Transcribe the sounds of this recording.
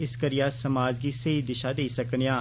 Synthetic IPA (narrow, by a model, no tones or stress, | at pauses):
ɪskəɾɪjaːsəmaːd͡ʒɡiːsəid̪ɪʃaːd̪eisəkɳijãː